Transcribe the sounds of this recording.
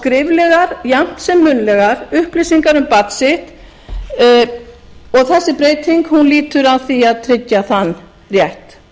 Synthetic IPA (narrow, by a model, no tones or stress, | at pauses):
kɾɪvlɛɣaɾ̥jam̥t̪sɛmːʏnlɛɣaɾʏhplɪsiŋkaɾʏmpat̪sɪht̪ | ɔɣθɛsːɪpɾeːjt̪iŋkhunliːt̪ʏɾawθiaðt̪ʰɾɪcːaθanː | rjɛht̪